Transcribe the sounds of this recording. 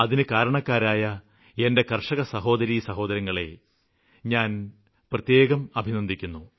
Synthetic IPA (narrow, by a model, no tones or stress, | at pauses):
ɐðinɨkaːɾɐɳɐkːaːɾaːjɐ | ende̞kɐrʂɐɣɐsɐɦo̞ːd̪ɐɾisɐɦo̞ːd̪ɐɾjɐŋːɐɭe̞̰ | ɲaːn | prɐt̪je̞ːɣɐmɐbʱinɐnd̪ʱikʲːunːu